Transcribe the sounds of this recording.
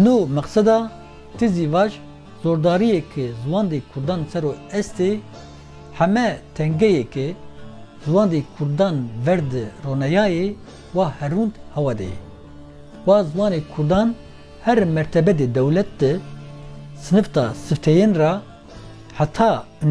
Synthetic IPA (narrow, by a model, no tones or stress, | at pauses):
numɛqsɛd̪ɑː | t̪ʰiziːvɑːʒ | z̥oːɾd̪ɑːɾijekʰɨzɨwɑːnd̪ekʰʊɾd̪ɑːnsɛɾoːɛst̪eː | ħɛmɛt̪ʰɛŋɡɛjekɨ | zɨwɑːnd̪eːkʰʊɾd̪ɑːnvɛɾd̪ɨroːnɛjɑːje | wɑːhɛɾuːnd̪hɛwɑd̪ɛ̰jɛ̰ | wɑːzɨwɑːneːkʰʊɾd̪ɑːn | hɛɾmɛɾt̪ʰɛbɛd̪eːd̪ɛwlɛt̪̚d̪ɨ | sɨnɨft̪ɑ̰ːsɨft̪ʰɛjeːnrɑ | ħat̪ʰɑː | n